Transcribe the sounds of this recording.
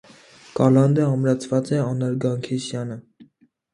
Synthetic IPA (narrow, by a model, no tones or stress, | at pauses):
kɑlɑnd̪əɑmɾɑt͡sʰvɑt͡sɛɑnɑɾɡɑŋkʰisjɑnə